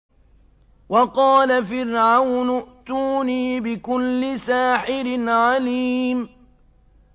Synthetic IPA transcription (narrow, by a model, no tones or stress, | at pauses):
wɑqɑːlafɪrʕawnʊʔt̪uːniːbɪkʊlːɪsaːħɪɾɪnʕaliːm